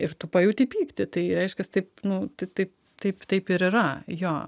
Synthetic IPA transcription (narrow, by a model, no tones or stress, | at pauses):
ɪɾt̪ʊpɐjuːt̪ʲɪpʲiːkt̪ʲɪt̪ɐɪɾʲɛɪʃʲkʲɛst̪ɐɪpnʊt̪ɐɪt̪ɐɪp̚ | t̪ɐɪpt̪ɐɪpɪɾɪɾɐjoː